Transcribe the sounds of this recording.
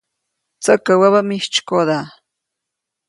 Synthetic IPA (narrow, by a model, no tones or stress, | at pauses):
t͡sakawaβamiʃt͡ʃkod̪a